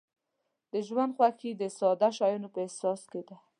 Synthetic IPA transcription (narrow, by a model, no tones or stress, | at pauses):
d̪əʒwand̪xwaxid̪əsɑd̪aʃɑjunopəɪsɑsked̪a